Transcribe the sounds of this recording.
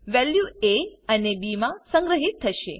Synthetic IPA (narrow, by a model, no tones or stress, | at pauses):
ʋɛljueənebimãsə̃ŋɡɾəɦit̪ʰːəʃḛ